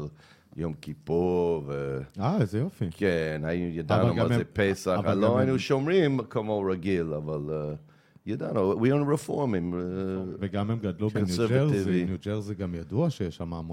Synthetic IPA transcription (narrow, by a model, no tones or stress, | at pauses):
l | jomkʰipuveazɛjofikʰɛnajujadanõmazepɛsaχaloanuʃɔmɹĩmkʰəmoɹaɡilavalɛ | judõnːowiõnɹɪfɔɹmɪ̃ŋveɡamɛmɡad̪lubkɔ̃njsɛɹvaɪvinjud͡ʒɛʁziɡamjaduaʃɛjɛʃamam